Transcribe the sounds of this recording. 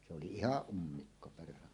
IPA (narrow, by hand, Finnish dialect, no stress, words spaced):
se oli ihɑʔ ʔumːikːo perhɑnɑ